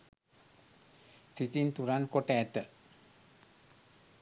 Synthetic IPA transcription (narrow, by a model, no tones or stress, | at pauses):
sit͡ʃint̪uɾankoʈɛt̪ə